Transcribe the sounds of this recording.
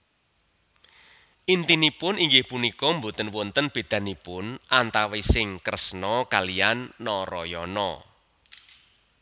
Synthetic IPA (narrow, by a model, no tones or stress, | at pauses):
ʔint̪inipʊniŋɡɪhpunikɔmbut̪ənwɔnt̪ənb̥e̤d̪̥ä̤nipʊnʔant̪awesɪŋkɾəsnɔkalijanːɔɾɔjɔnɔ